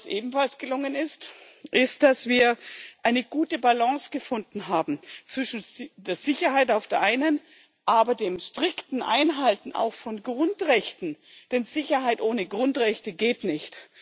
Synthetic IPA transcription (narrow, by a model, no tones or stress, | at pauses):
sʔḛːbm̩falsɡ̥əlʊŋənɪst | ʔɪst̚d̥asv̥iːɐʔaɪnəɡ̥uːtəbalɑ̃ŋsɡ̥əfʊndn̩ɦaːbm̩t͡sv̥ɪʃn̩deːɐz̥ɪçɐhaɪtaʊfd̥eːɐʔaɪnən | ʔaːbɐdeːmʃtʁ̥ɪktn̩ʔa̰ɪnɦaltn̩a̰ʊxfɔnɡʁʊntʁɛçtn̩d̥ɛnzɪçɐɦaɪtʔoːnəɡʁʊntʁɛçtəɡeːtnɪçt